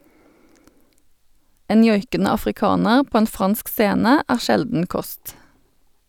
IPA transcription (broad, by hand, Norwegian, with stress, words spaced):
ˈeːn ˈjɔjkənə ɑfʁɪˈkɑːnəʁ ˈpoː ˈeːn ˈfʁɑnsk ˈseːnə ˈæːʁ ˈʃɛldn̩ ˈkɔst